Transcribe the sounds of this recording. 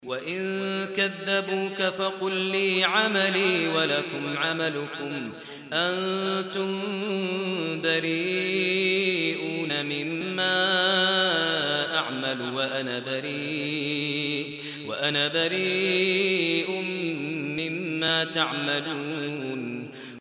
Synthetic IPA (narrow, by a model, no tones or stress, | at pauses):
waʔɪnkaðːabuːkafɑqʊlːiːʕamaliːwalakʊmʕamalʊkʊm | ʔant̪ʊm | baɾiː | ʔuːnamɪmːaː | ʔaʕmalwaʔanaːbaɾiː | wa̰ʔanaːbaɾiː | ʔʊː | ɪmːaːt̪aʕmaluːn